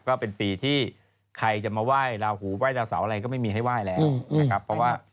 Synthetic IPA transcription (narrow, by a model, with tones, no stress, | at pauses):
kɔː˥˩pe˧npiː˧t̪ʰiː˥˩ | kʰa˧jt͡ɕa˨˩maː˧waː˥˩jɾaː˧whuː˩˦waː˥˩jɾaː˧wsaː˩˦wʔɾa˧kɔː˥˩ma˥˩jmiː˧ɦa˥˩jwaː˥˩jlɛː˦˥˩wa˦˩kʰa˦˥pʰːɔ˦˥waː˥˩